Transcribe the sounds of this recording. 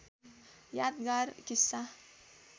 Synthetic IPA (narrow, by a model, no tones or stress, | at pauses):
jad̪ɡaɾkisːa